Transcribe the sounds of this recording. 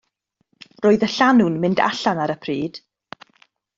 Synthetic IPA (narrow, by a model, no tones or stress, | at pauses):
roːɨðəɬanʊnmɪnda̰ɬanaɾəpʰriːd̥